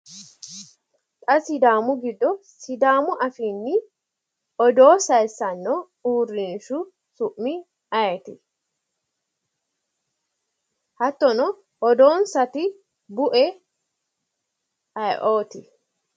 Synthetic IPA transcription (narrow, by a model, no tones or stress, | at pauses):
t̪ʼɐsɪd̪aːmʊɡɪd̪ːɔsɪd̪aːmʊʔɐfiːnːɪ | ʔɔd̪oːsɐjsːɐnːɔ | uːrːɪnʃʊ | sʊʔmɪ | ɐjɛt̪ɪ | hɐt̪ːɔnɔ | ʔɔd̪o̞ːnsɐt̪ɪ | bʊʔɛ | ɐjʔoːt̪ɪ